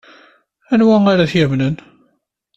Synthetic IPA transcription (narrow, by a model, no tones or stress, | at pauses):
ænwæaɾaθjæmnən